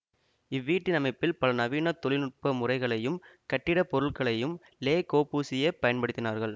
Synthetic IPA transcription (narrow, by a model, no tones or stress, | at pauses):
ɪʋːiːʈːɯnɐmɐɪpːɪlpɐlɐnɐʋiːnɐt̪ːɔɭɪlɯʈ̚pɐmʊrɐɪɣɐɭɐjɯmkɐʈːɪɽɐpɔɾɯɭkɐɭɐjɯm | leːkoːpuːsɪjɐpɐjɐnpɐɽɯt̪ːɪnaːɾɣɐɭ